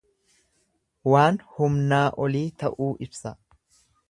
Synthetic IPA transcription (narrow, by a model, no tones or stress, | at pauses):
waːnhʊmnaːʔɔliːt̪ɐʔuːʔɪbsɐ